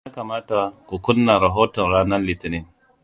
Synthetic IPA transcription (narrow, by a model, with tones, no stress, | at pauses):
a˦ka˨ma˦ta˦a˦ku˨ku˦nːa˨ɾa˨ɦo˦tə˨ɾa˦na˦nli˨ti˨ni˨n